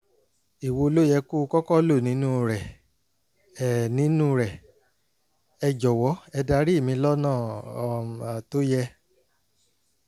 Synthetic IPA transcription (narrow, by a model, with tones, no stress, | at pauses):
i˨wo˧lo˦jɛ˧ku˦˧kɔ˦kɔ˦lo˦˨nĩ˨˦nũ˦ɾɛ˨ | ɛ˨nĩ˨˦nũ˦ɾɛ˨ | ɛ˧d͡ʒɔ˨wɔ˨˦ɛ˧da˧˦ɾi˦˨mĩ˧lɔ˦nãː˦˨ | a˨to˦jɛ˧